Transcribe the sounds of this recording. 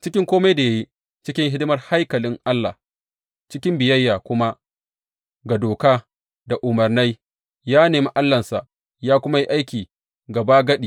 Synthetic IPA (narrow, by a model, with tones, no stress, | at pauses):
t͡ʃɪ˦kʲɪ˦ŋkʷoː˦ma˦jda˨ja˦ji˦ | t͡ʃɪ˦kʲɪ˦ŋɦɪ˦dɪ˦mɐ˦rha˦jkɐ˨lɪ˦ŋʔa˦lːa̰˨ | t͡ʃɪ˦kʲɪ˦mbɪ˨jɐ˦jːaː˨kʷʊ˦ma˦ | ɡa˨doː˨kaː˦ | da˨ʔʊ˨mɐ˨rna˦j | jaː˦neː˨mi˦ʔa˦lːɐ˨nsa̰˨ʔ | jaː˦kʷʊ˦ma˦ji˦ʔa˦jkʲiː˨ | ɡɐ˨baː˦ɡɐ˦ɗiː˨